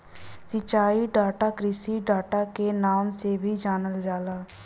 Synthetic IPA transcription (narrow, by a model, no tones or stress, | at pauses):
sɪt͡ʃːaːiːɖaːʈaːkɾisiːɖaːʈaːkenaːmseːbʱiːd͡ʒaːnəld͡ʒaːlaː